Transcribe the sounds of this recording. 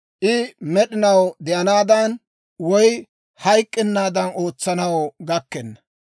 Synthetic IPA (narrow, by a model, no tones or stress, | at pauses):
ʔɪmɛɗɪnɐwd̪ɛʔɐnaːd̪ɐn | wɔj | hɐjkʼːɪnːaːd̪ɐno̞ːt͡sːɐnɐwɡɐkːɛnːɐ